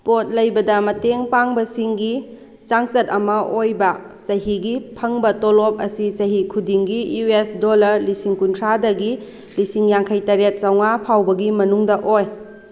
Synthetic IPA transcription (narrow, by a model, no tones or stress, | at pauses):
pot̚lɐjbɐdɐmɐteŋpaŋbɐsiŋɡi | t͡ʃaŋsɐtɐmɐʔojbɐ | sɐɦiɡipʰɐŋbɐtolop̚ɐsisɐɦikʰudiŋɡijuesdolɐɾlisiŋkuntʰɾadɐɡi | lisiŋjaŋkʰɐjtɐɾet̚sɐwŋapʰawbɐɡimɐnuŋdɐʔoj